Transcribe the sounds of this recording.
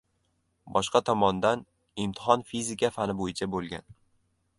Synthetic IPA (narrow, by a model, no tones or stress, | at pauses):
bɒʃqɑt̪ʰɒmɒnd̪an | ɪmt̪ʰɪ̥ɦɒnfizɪkʲʰafanɪbojɪt͡ʃʰabolˠɡʲa̰n